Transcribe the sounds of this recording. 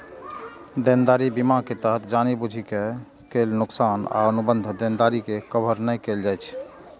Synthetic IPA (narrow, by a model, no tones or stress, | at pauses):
d̪end̪aɾibimaket̪əɦət̪ʰd͡ʒanibud͡ʒʱike | kelnuksana̰ənubənd̪ʱd̪end̪aɾikekəbʱəɾnəjkeld͡ʒajt͡ʃʰ